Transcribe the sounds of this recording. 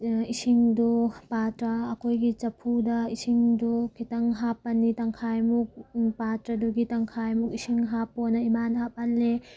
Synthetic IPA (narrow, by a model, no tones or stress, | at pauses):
isiŋdupatɾɐːkʰojɡit͡ʃɐpʰudɐisiŋdukʰitɐŋɦapːɐnːitaŋkʰajmuk̚patɾɐduɡitɐŋkʰajmuk̚isiŋɦapːonɐimanɦap̚ɐnle